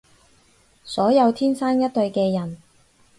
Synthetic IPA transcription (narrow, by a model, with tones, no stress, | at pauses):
sɔː˨˥jɐ˨˧wt̪ʰiː˥nsaː˥njɐ˥t̚t̪ːɵ˧ɥkɛː˧jɐ˨˩n